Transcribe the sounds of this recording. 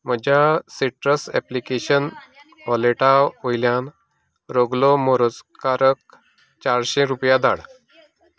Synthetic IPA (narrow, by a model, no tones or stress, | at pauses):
m̤əd͡ʑʱjasiʈɾəsɛplikeɕən | ʋɔleʈaojljãn | ɾoɡloməɾəd͡zkaɾək̚ | t͡ɕaɾɕẽɾupjad̪ʱa̰ɽ